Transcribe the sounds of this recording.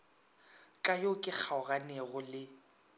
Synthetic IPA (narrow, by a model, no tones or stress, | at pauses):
kʼajokʼɪk͡xʰaʊɣanɛɣʊlɪ